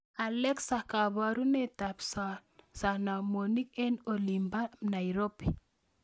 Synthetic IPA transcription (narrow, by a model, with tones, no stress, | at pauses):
a˨lɛ˦ksa˨ka˨βa˨ɾu˦nɛ˦ta˨psasa˨na˨mo˨ni˦kɛ˦no˨li˨mba˦na˨iɾo˦pi˨